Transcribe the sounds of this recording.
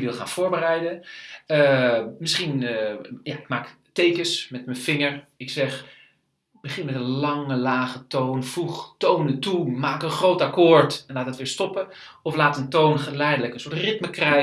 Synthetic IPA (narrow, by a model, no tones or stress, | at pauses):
ʋɪlˠχaːnfoːɹbərɛjdəəmɪsχinjaɪkmaːk | tejkəsmɛtmənfɪŋəɹɪksɛx | bəχɪnmɛtənlɑŋəlaːɣətoːnfuxtownətumaːkənχrowtakoːɹtɛnlaːtdətʋɪːɹstɔpə | ɔflaːtəntownχəlɛjdələkənsʊəɹtrɪtməkrɛ